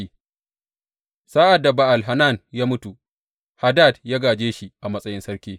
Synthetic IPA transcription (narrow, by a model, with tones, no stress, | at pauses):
i˦ | saː˦ʔa˨dːa˨ba˨ʔa˨lɦa˨na˦˨njaː˦mʊ˦tu˨ | ha˦da˦˨djaː˦ɡaː˨d͡ʒeː˦ʃi˨ʔa˨mɐ˦sʼɐ˦jɪ˦nsɐ˦ɾkʲeː˦